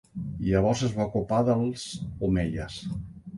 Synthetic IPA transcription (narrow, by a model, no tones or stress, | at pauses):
iəβɔɾzəzβakopaðəlˠz̥umeʎəs